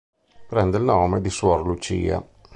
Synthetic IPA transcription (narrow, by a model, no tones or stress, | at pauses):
pɾɛnd̪eilnɔːmed̪isuɔrlut͡ʃḭːa̰